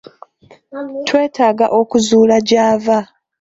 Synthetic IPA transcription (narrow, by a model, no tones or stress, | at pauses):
twe̞ːtaːɡa̰ʔo̞kuzuːlaɟaːva